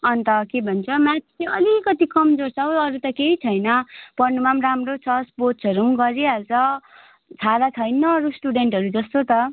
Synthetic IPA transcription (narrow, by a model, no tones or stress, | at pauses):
ʌnt̪ʌkebʱʌnt͡sʰʌmat͡sʰileʌlikʌt̪ikʌmd͡zort͡sʰʌwʌɾut̪ʌkeit͡sʰʌjnʌpʌrnumamramɾot͡sʰʌspot͡sʰʌɾuɡʌɾiʌld͡zʌ | t͡sʰaɾat͡sʰʌjnʌːɾusʈuɖeɳʈɦʌɾud͡zʌst̪ot̪ʌ